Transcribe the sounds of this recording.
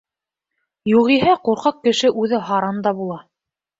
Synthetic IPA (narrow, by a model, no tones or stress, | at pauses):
juʁiɦæquɾqɑq̚kɘ̆ʃɘʔʉðɘɦɑɾɑnd̪ɑbulˠɑ